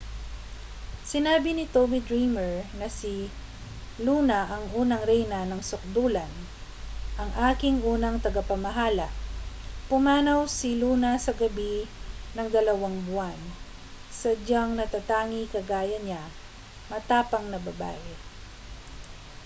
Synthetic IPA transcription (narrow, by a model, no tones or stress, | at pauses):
sɪnaːbɪnɪt̪obid̪ɹimɛɹnɐsi | luːnɐʔɐŋʔuːnɐŋɾɛjnɐnɐŋsʊk̚d̪uːlɐn | ʔɐŋʔaːkɪŋʔuːnɐŋt̪ɐɡɐpɐmɐɦaːlɐʔpʊmaːnɐwsɪluːnɐsɐɡɐbinɐŋd̪ɐlɐwaŋbʊan | sɐd͡ʒaŋnɐt̪at̪aːŋikɐɡaːjɐɲa | mɐt̪aːpɐŋnɐbɐba̰ʔɪ